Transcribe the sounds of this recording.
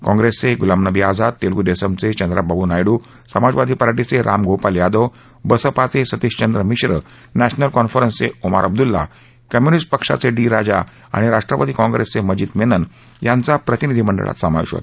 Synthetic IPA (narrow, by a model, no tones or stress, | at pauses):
kɔ̃ŋɡɾesːeɡulamnəbiːad͡zad̪̚t̪elɡud̪esəmt͡set͡ɕənd̪ɾababunajɽuːsəmad͡zʋad̪ʱiːpəɾaʈit͡seɾʔa̰mɡopaljad̪oʋ | bəsəpat͡sesət̪iɕt͡ɕənd̪ɾəmiɕɾə | næɕnəlkɔnfəɾənseuma̰ɾʔəb̚d̪ulːa̰ | kəmjunisʈ̚pəkʂa̰t͡seɖiɾad͡ʑa̰ | a̰ɽ̃iɾaʂʈɾəpət̪iːkɔ̃ŋɡɾesːeməd͡ʑiːt̪menən | jant͡sapɾət̪inid̪ʱiməɳɖə̰ɭʔa̰t̪səmaʋḭɕʋə̰t̪